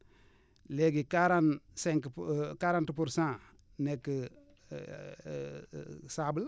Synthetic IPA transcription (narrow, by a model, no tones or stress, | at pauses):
leɡikaɾanseŋkkaɾãntpuɾsã | nekːə | sabəl